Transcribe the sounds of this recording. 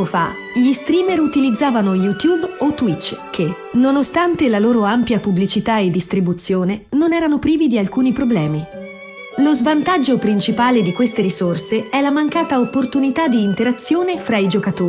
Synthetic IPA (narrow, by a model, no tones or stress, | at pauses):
ofa̰ | ʎist̪ɾiːmeɾut̪ilid̪zːaːvanojut̪jubot̪ːwit͡ʃːkʰe | nonost̪ant̪elaloːɾoampjapublit͡ʃit̪aed̪ːist̪ɾibut̪sːjoːnenonɛːɾanopɾiːvid̪ialkuːnipɾoblɛːmi | lozvant̪ad͡ʒːopɾint͡ʃipaːled̪ikwest̪eɾisorseɛlamaŋkaːt̪aopːort̪unit̪ad̪iːnt̪eɾat̪sːjoːnefɾaid͡ʒokat̪oːɾ